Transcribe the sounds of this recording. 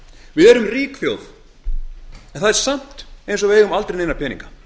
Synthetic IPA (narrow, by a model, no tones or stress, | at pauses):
vɪðɛɾʏmriːkθjowð | ɛnθaðɛɾ̥sam̥t̪ejns̬ɔveːjɣʏmalt̪ɾejnejnapʰɛːnḭŋkḁ